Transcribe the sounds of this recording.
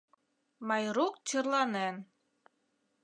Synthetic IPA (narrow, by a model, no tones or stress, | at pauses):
mɑjɾuk̚t͡ɕərlɑnen